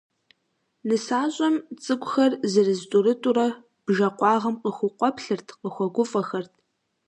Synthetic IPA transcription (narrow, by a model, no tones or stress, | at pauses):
nɨsaːɕʼɐmt͡sʼɨɡʷʼxɐrzɨrɨztʷʼʊrɨtʼuɾɐ | b̥ʒɐqʷʼɑːʁɐmqəxʷʊqʷɔpɬɨrtʰqəxʷɔɡʷʊfʼɐxɐrtʰ